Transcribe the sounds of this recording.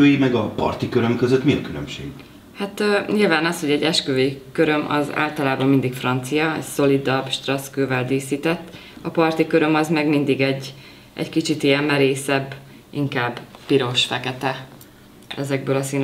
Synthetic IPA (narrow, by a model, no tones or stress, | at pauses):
øːjimɛɡɒpɒ̰rt̪ikøɾømkøzøt̪miɒkylø̰mʃḛːɡ | hat̪ːɲilvaːnɒsho̞ɟɛɟːɛʃkøːjikø̞ɾømʔɒ̰za̰ːlt̪ɒlaːbɒmːind̪ikfrɒnt̪sijɒɛ̰cso̞lid̪ɒbʃt̪rɒskøːvɛld̪iːsiːt̪ɛt̪ː | ɒpɒrt̪ikøɾø̞mɒzmɛɡmind̪iɡɛɟː | ʔɛ̰ckit͡ʃit̪ijɛmmɛɾeːsɛbː | iŋkaːbpiɾo̞ʃfɛkɛt̪ɛ | ɛ̰zɛɡ̚bøːlɒsiːn